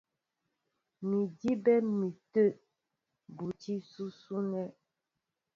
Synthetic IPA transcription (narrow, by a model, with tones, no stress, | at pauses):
mi˨di˦bɛ˦mi˨tə˦˨ʔ | bu˨t͡ʃi˦su˦su˦nɛ˦